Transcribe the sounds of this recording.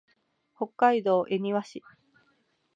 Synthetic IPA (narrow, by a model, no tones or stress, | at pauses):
ho̞kːaid̪o̞ːʔe̞ɲ̟ʲiβaɕi